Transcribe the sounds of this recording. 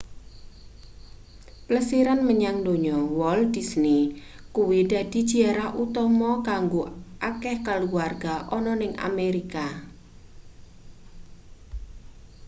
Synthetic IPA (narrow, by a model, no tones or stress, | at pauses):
pləsiɾanməɲaŋdoɲɔwɔld̥isni | kuwid̥a̤d̥i̤d̥d͡ʒ̥i̤aɾahʔut̪ɔmɔkaŋɡoʔakɛhkaluwarɡ̥aʔɔnɔnɪŋa̰meɾika